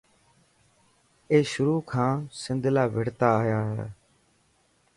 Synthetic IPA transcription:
eːʃʊɾuːkʰãːsɪ̃nd̪ʱlaːʋeɽt̪aːjaːɦɛ̰ː

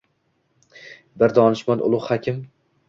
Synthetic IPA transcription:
bɪɾd̪ɒnɪʃmanʔʊ̰lˠʊhakʲʰɪm

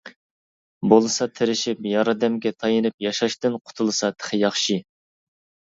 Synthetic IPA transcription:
bolˠɨsɑt̪ʰɪɾɪʃipjɑɾɨd̪ɛmɡʲɛt̪ʰɑjɨnɨp̚jɑʃɑʃt̪ɨnqʰʊ̥t̪ʰulˠɨsɑt̪ʰɪ̥χʰɪjɑχʃi

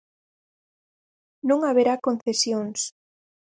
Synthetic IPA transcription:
nõŋaβeɾakon̟θesjoŋs

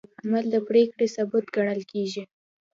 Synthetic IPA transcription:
amald̪əpɽekɽesabʊt̪ɡaɽ̃əlkeʒi

